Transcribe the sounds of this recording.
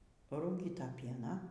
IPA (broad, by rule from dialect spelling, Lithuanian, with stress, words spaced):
pɐruːˈɡʲiːtɐ ˈpʲiɛnɑː